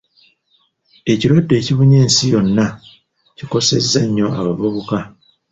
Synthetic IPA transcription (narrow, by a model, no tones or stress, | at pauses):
e̞ciɾwadːe̞ːciβuɲeːnsijo̞nːa | ciko̞se̞zːaɲːo̞aβaβuβuka